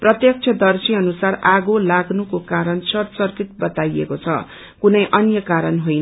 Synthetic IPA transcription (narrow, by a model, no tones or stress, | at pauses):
prʌt̪jʌk̚t͡sʰʌd̪ʌrsʰiʌnusaraɡolaɡnukokaɾʌnsʌrsʌrkit̪̚bʌt̪ajḛkot͡sʰʌ̰ | kunʌjʔʌnjʌkaɾʌnɦojnʌ